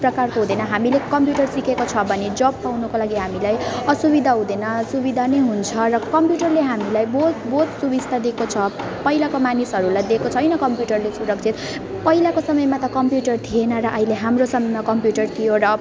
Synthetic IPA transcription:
prʌkarkoɦud̪enʌɦamilekʌmpjuʈʌrsikekot͡sʰʌbʱʌned͡zʌbpawnukolaɡiɦamilajʌsubid̪ʱaɦũd̪enʌsubid̪ʱanejɦunt͡sʰʌrʌkʌmpjuʈʌrleɦamilajbot̪bot̪subist̪ʰad̪ekot͡sʰʌpʌɦilakomanisɦʌɾulajd̪ekot͡sʰʌjnʌkʌmpjuʈʌrlesuɾʌk̚t͡sʰit̪ | pʌilakosʌmʌjmat̪ʌkʌmpjuʈʌrt̪ʰienʌɾʌʔʌileɦamrosʌmʌjmakʌmpjuʈʌrt̪ʰijoɾʌ

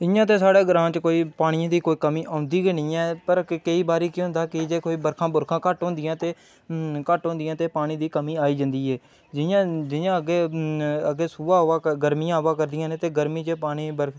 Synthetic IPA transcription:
ɪjãːt̪̬eːsaːɽeːɡəɾãːt͡ʃkoːiːpaːɽ̃ɪjãːd̪iːkoːiːkəmiːʔãːʊnd̪iːɡenĩːɛːpəɾkəiːbaːɾiːkɪɦʊ̃nd̪aːkɪd͡ʒeːkoːiːbəɾkʰãːbʊɾkʰãːkəʈɦõːnd̪ɪjãːt̪eː | kəʈɦõːnd̪ɪjãːt̪eːpaːɽ̃iːd̪iːkəmiːaːiːd͡ʒə̃nd̪iːɦɛː | d͡ʒɪjãːd͡ʒɪjãːəɡeːəɡeːsuːaːaːɡəɾmijãːʋaːkəɾd̪ɪjãːnẽːt̪eːɡəɾmiːd͡ʒeːpaːɽ̃iːbəɾkʰ

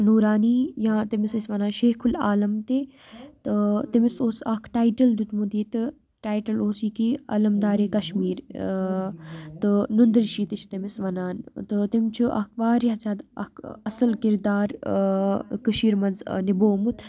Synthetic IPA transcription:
nuːɾaːniːjãːt̪imisisʋɐnaːnʃeːkʰulaːlɐmt̪eː | t̪ɨt̪imisoːsɐkʰʈaːjʈɐld̪ut̪mud̪iːt̪ɨ | ʈaːjʈɐloːsiːkiɐ̰lɐmd̪aːɾeːkɐʃmiːɾ | t̪ɨnund̪ɾʃiːt̪it͡ʃʰt̪ɐmisʋɐnaːnt̪ɨt̪imt͡ʃʰuʔɐ̰k̚ʰʋaːɾjɐt͡saːd̪ɐ̰kʰɐsɐlkiɾd̪aːɾ | kɨʃiːɾmɐnzniboːmut̪ʰ

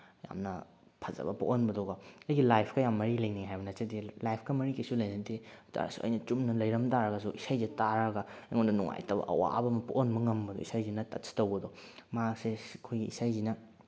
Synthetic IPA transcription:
ja̰mnɐ | pʰɐzɐ̰bɐpo̰ʔonbɐdoɡɐɐjɡilajpʰkɐjamːɐɾilɐjniŋɦajbɐnɐt͡ʃɐdilajpʰkɐmɐɾikisulɐjnɐtita̰ɾɐ̰suɐ̰jnɐt͡ʃumnɐlɐjɾɐmtaɾɐɡɐsuisajzitaɾɐɡɐɐjŋonɐnuŋa̰jtɐbɐ̰ʔɐ̰wa̰bɐmɐpoʔonbɐŋɐmbɐdɔ̰isajzinɐtɐtsʰi̥tɐwbɐdɔmasekʰojɡiisajzinɐ

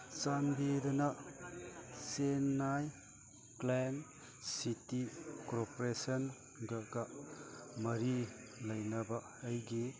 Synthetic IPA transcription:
t͡ʃanbidɐna | senːaj | klen | sitikoɾpoɾesɐn | ɡɐɡa | mɐɾi | lɐjnɐbɐː | jɡi

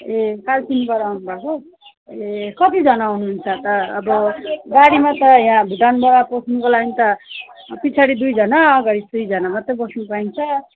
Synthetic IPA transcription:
ekalpinibʌɾaunubʱakʰo | ekʌt̪id͡zʌnaɦunuɦunt͡sʰʌt̪ʌːbʌɡaɽimat̪ʌjãbʱiʈanbʌɾaposʰnukolaɡint̪ʌ | pit͡sʰaɽid̪ujd͡zʱʌnaːɡaɽid̪ujd͡zʌnamat̪ʌbʌsnupaint͡sʰʌ

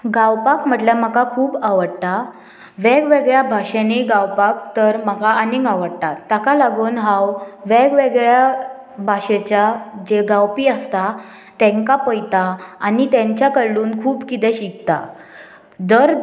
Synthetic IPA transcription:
ɡawpakm̤əʈlam̤əkakʰuːbaʋəɽt̪a | ʋɛɡʋeɡɭjabʱaɕeneɡawpak̚t̪əɾməkaaniŋɡaʋəɽt̪at̪ːakalaɡoːnɦãwʋɛɡʋeɡɭja | bʱaʂet͡ɕjad͡ʑeɡawpiːəst̪a | t̪ɛ̃ŋkapəjt̪aːnit̪ɛ̃ɲt͡ɕjakəɭluːnkʰuːbkit̪ɛɕikt̪a̰ | d̪əɾ

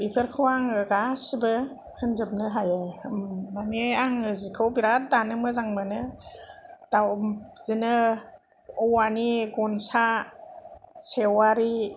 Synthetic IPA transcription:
bipʰɯɾkʰɯwaŋɯɡasibɯ | kʰɯnzɯp̚nɯɦajɯ | maneaŋɯzikʰɯwbiɾat̚danɯmɯzaŋmɯnɯ | d̥awz̥inɯ | ɔwaniɡɔnsa | sewaɾi

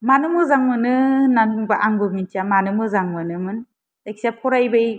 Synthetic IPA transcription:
manɯmɯzaŋmɯnɯnanubaʔaŋbɯmintiamanɯmɯzaŋmɯnɯmɯn | tajksapʰɔɾajbɯj

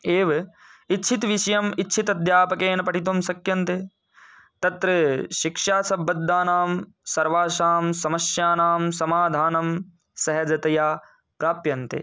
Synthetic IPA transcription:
eːʋ | itːt͡ʃʰit̪ʋiʃɐjɐmitːʃʰit̪ɐd̪ʱjaːpɐkeːnɐpɐʈit̪omsɐkjɐnt̪e | t̪ɐt̪ɾɐʃikʂaːsɐbɐd̪ːaːnaːm | sɐɾʋaːʃaːmsɐmɐsjaːnaːmsɐmaːd̪ʱaːnɐm | sɐɦɐd͡ʒɐt̪ɐjaː | pɾaːpjɐnt̪ḛ

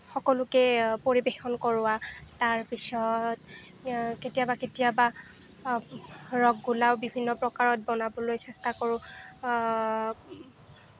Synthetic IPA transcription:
xɔkɔlʊkɛpoɹibexɔnkɔɹʊataɹpisɔt | ketijabaketijaba | ɹɔɡːulawbibʱinːɔpɹɔkaɹɔt̚bɔnabɔlojsɛstakoɹʊ̃

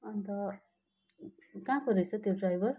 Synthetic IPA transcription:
ʌnt̪ʌ | kãkʌɾʌt͡sʰʌt̪joɖrajbʌr

